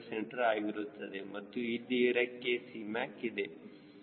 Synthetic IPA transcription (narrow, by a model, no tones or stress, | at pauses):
seɳʈɐɾaːɡiɾut̪ːɐd̪emɐt̪ːuid̪iɾɐkːesimaːkid̪e